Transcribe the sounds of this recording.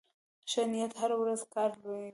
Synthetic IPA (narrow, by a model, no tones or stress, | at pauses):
ʃanijat̪haɾawɾazkɑɾla